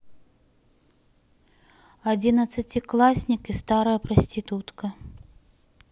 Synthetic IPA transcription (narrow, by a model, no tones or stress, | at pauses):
ad͡zʲinɐt̪sːɐt͡sʲiklˠasʲnʲikist̪aɾɐjɐpɾɐsʲtʲit̪ut̪kɐ